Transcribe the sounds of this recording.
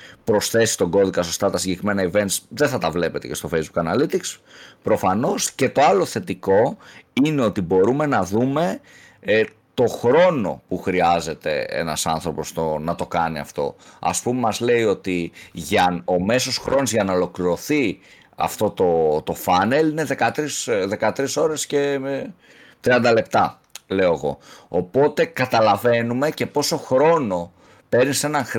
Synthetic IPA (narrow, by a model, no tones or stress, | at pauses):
pɾo̞sθe̞si̥t̪oɡo̞ðikɐsost̪ɐt̪ɐsiɲɟe̞kɾime̞nɐive̞nt̪sðeθɐt̪ɐvle̞pe̞t̪e̞ce̞st̪ofejzbukɐnɐlit̪ikspɾo̞fɐno̞sce̞t̪o̞ɐlo̞θe̞t̪iko̞ine̞o̞t̪ibo̞ɾume̞nɐðume̞ | t̪o̞xɾo̞no̞̰puxɾiɐze̞t̪e̞̰ḛnɐ̰sɐnθɾo̞po̞st̪onɐt̪o̞kɐniɐ̰ft̪o̞̰ɐ̰spumemɐzle̞io̞t̪iʝɐno̞me̞so̞sxɾo̞nozʝɐnɐo̞lo̞kliɾo̞θi | ɐ̰ft̪o̞t̪o̞t̪o̞fɐne̞line̞ðe̞kɐt̪ɾisðe̞kɐt̪ɾiso̞ɾe̞sce̞ | t̪ɾiɐnd̪ɐle̞pt̪ɐ | le̞oeɣo̞̰opo̞t̪e̞kɐt̪ɐlɐve̞nume̞ce̞po̞so̞xɾo̞no̞ | pe̞ɾnise̞nɐŋx